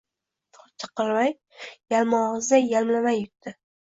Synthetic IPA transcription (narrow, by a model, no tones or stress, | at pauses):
t͡ʃʰɨ̥qɨlˠmaj | jalmɒʁɨzd̪ajalmlamajʊt̪ːɪ